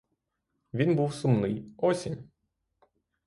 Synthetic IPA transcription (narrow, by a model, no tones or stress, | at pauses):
ʋʲinbuwsʊmnɪjɔsʲinʲ